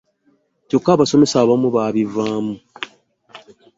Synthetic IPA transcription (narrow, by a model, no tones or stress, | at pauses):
cokːaβaso̞me̞saːβamuβaːβivaːmu